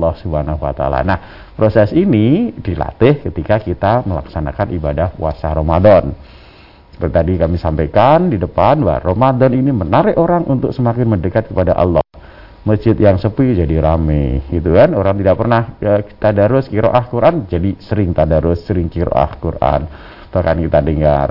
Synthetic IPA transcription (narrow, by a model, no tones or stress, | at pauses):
lɔhsubanaɦua̰t̪aa̰la̰nah | pɾosɛsinidila̰t̪ɪhkət̪ikakit̪aməla̰ksana̰kanʔibadahpwa̰saɾomadɔn | sə̥pərt̪it̪adikamisampakandidəpanwa̰romadɔninimənaɾɪʔʔoɾaŋʔunt̪ʊk̚səmakɪnmədəkat̪̚kəpadaʔɑ̰lːɔh | məst͡ʃɪt̪jaŋsəpɪd͡ʒadiɾamɪhɡit̪ukanoɾaŋt̪idaʔpərnahəki̥t̪adaɾʊskiɾo̰ʔahkuɾʔand͡ʒadisəɾɪŋt̪adaɾʊsːəɾɪŋkiɾo̰ʔa̰hkurʔa̰n | b̥ahkankit̪adəŋa̰r